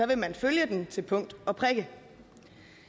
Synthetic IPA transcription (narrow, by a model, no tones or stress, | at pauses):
ɒ̽ʋe̝mænføljəd̥ent͡sʰe̝lpʰɔ̽ŋ̰d̥ɒ̽pʰʁɛɡ̥ə